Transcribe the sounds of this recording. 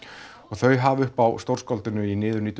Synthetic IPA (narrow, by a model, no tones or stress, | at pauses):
ɔɣθœɥɦavʏhpawst̪owr̥skɔlt̪ɪnʏinɪːðʏɾniːt̪ʏ